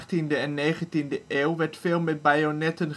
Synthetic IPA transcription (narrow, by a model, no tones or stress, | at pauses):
tindəɛnːeːχəntindəʔeːwʋɛɹtfeːlˠmɛt̚bajonɛtən